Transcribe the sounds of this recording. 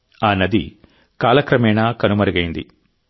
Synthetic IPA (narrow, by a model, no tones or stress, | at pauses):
aːnːɐd̪ḭ | kaːlɐkɾɐmɛːnaːkɐnumɐɾɐɡɐjind̪ḭ